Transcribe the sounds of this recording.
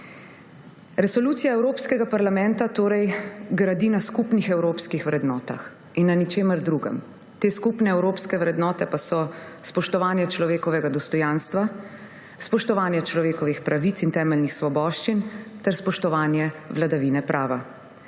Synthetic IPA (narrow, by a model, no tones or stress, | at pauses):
ɾɛsɔluːt̪sijaɛwɾoːpskɛɡapaɾlamɛ̃nt̪at̪oːɾɛjɡɾad̪inaskupnixɛwɾoːpskixʋɾɛd̪nɔːt̪a̰x | inːanit͡ʃeːməɾd̪ɾuːɡɛ̰m | t̪eːskupnɛɛwɾoːpskɛʋɾɛd̪nɔːt̪ɛpasɔ | spɔʃt̪ɔʋaːnjɛt͡ʃlɔʋeːkɔʋɛɡad̪ɔst̪ɔjaːnst̪ʋa | spɔʃt̪ɔʋaːnjɛt͡ʃlɔʋeːkɔʋixpɾaʋit̪sint̪ɛːmɛlnixsʋɔbɔːʃt͡ʃint̪ɛɾspɔʃt̪ɔʋaːnjɛʋlad̪aʋinɛpɾʔaːʋa̰